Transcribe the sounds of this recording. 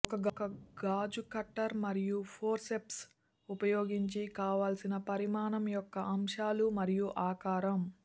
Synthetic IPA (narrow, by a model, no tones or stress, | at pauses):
ɔkɐɡɐkɐɡaːd͡ʒukɐʈːɐɾmɐɾijupʰoːɾseps | upɐjoːɡiɲt͡ʃikaːʋaːlsinɐpɐɾimaːnɐmjɔkːɐʔɐmʂaːlumɐɾijuʔaːkaːɾɐm